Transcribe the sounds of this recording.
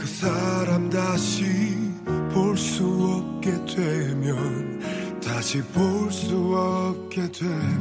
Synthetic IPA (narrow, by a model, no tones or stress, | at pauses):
kɯsʰaɾamdaɕi | poɭs͈uʌp̚k͈e̞dwemjʌn | taɕʰipoɭs͈uʌp̚k͈e̞dwe